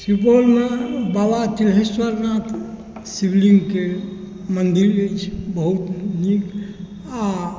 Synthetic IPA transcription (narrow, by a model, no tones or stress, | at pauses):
tɾip̬olmebabat̪ilɦeswəɾnat̪ʰ | sibliŋɡke | mənd̪iɾəjt͡ʃʰbəɦut̪nik | a